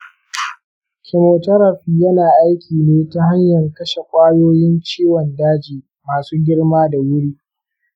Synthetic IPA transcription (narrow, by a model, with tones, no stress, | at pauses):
kʰʲɪ˨moː˨tɐ˦ɾɐ˨ɸiː˦jɐ˦naː˨ʔa˦jkʲʰiː˨neː˦ta˦ɦa˦ɲjɐ˨ŋkɐ˦ʃe˨kʷʼaː˦joː˦jɪ˦nt͡ʃiː˦wɔ˨ndaː˦d͡ʒiː˨ | maː˨suː˦ɡʲɪ˦ɽmaː˦da˨wʊ˦ɽiː˦